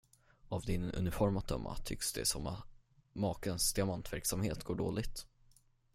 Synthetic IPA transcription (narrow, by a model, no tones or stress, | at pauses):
avd̪ɪnɵ̰nɪfɔɾmat̪ʰœmːa̰t̪ʰʏ̰ksd̪ɛ̰sɔma | mɑːkənsd̪ɪamant̪væɾksamheːt̪ɡoːɖo̰ːlɪɡt̪